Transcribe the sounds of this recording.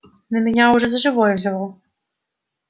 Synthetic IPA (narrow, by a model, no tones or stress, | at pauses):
nɐmʲɛnʲauʐɛzɐʐɨvɔjɛvzʲalˠɔ